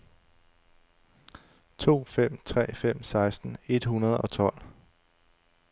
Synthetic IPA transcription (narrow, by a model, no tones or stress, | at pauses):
t͡sʰo̝̰ːfem̰t͡sʰʁɛ̰ːfem̰sɑ̈ɪsd̥n̩e̝d̥hunɐð̞ˠɒ̽t͡sʰɒ̽l̰